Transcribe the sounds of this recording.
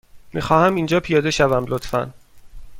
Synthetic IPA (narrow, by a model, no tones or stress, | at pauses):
mʔḭːxɒːhæmind͡ʒɒːpʰijɒːd̪e̞ʃævæmlot̪fæ̰n